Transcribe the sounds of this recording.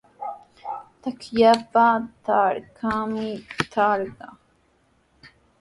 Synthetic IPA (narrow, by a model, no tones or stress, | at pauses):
t̪akʰjaːpaːt̪aːɾkʰaːmit̪ʰaːɾɡa